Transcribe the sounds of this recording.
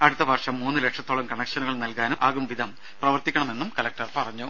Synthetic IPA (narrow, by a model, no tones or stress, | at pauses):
ɐɽut̪ːɐʋɐrʂɐmːuːnːɨlekʂɐt̪ːoːɭɐmkɐɳɐkʂɐnuɣɐɭnɐlkaːnuʔaːɣumʋid̪ʱɐm | prɐʋɐrt̪ikʲːɐɳɐme̞nːumkɐlɐk̚ʈɐrpɐrɐɲːu